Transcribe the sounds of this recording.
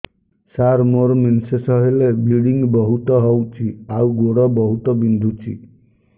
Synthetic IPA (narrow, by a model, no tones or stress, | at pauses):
saɾmoɾminsesɔɦelebiɽiŋɡbɔɦut̪ɔɦɔwt͡ʃʰiawɡoɽɔbɔɦut̪ɔbind̪ʱut͡ʃʰḭ